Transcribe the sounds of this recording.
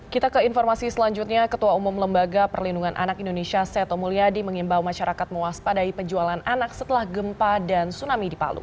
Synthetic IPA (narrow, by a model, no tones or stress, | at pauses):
kit̪akəinfɔrmasisəlaɲd͡ʒut̪̚ɲakət̪uaumʊmləmbaɡapərlinduŋanʔa̰nakindonesiasɛt̪omuliadiməŋimbawmaʃaɾakat̪̚məwaspadaipəɲd͡ʒualananaksət̪əlahɡəmpadansunamidipa̰lṵ